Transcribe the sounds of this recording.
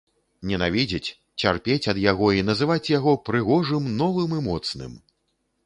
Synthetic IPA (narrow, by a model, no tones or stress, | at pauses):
nʲɛnavʲid͡zʲit͡sʲ | t͡sʲarpʲet͡sʲɐd̪jaɣɔinɐzɨvat͡sʲjaɣɔpɾɨɣɔʐɨmnɔvɨmimɔt̪snɨ̰m